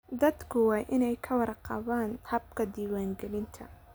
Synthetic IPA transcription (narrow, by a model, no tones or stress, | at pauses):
d̪ɐd̪kʰʊwɑːʔɪnɛjkʰɐwɑrqɑ̰βaːnhɐb̚kʰɐd̪iːwaːŋɡɛlɪnt̪ʰɐ̰